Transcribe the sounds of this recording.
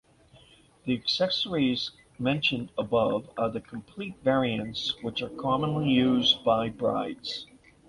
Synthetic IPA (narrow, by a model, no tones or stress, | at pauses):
ðiɨksɛsə˞iz | mɛ̃nʃɨ̃ndəbʌvə˞ðɨkʰm̩pʰl̥itvɛɹiɨ̃ntswət͡ʃə˞kʰɑmə̃nlijʉzbaɪbɹa̰ɪdz̥